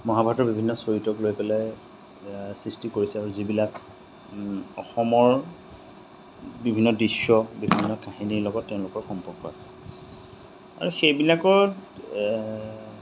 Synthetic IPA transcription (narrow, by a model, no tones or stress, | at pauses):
mɔɦabʱatɔɹbibʱinːɔsoɹitɔklojkɔlaj | sɹistikoɹisɛaɹuzibilak | ɔxɔmɔɹ | bibʱinːɔdɹisːɔbibʱinːɔkaɦiniɹlɔɡɔtːɛʊ̃lʊkɔɹxɔmpɔɹkɔa̰sɛ̥ | a̰ɹuxejbilakɔt